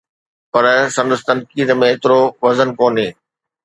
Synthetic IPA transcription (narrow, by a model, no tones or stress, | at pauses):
pɐɾsɐ̃nd̪əst̪ɐ̃nkiːd̪mẽɪt̪ɪɾoʋɐzənkoːnɦeː